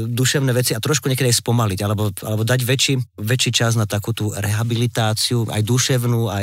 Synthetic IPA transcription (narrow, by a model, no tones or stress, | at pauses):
d̪uʃɛʊnɛːʋɛt͡siat̪ɾɔʃkuɲɛkɛd̪iajspɔmaliɟalɛbɔʔa̰lɛbɔd̪aɟʋɛt͡ʃiʋɛt͡ʃiːt͡ʃaznat̪akuːt̪uɾɛɦabilit̪aːt͡siua̰jd̪uʃɛʊnuːaj